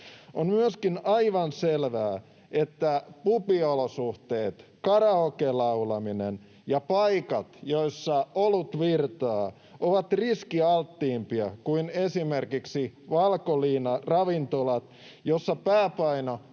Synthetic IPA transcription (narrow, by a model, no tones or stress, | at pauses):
ʔonmyøskinɑiʋɑnselʋæː | et̪ːæpupiolosuht̪eːt̪kɑrɑokelɑulɑminen | jɑpɑikɑt̪joisːɑolut̪ʋirt̪ɑː | ʔoʋɑt̪riskiɑlt̪ːiːmpiɑkuinesimerkiksiʋɑlkoliːnɑrɑʋint̪olɑt̪ | josːɑpæːpɑino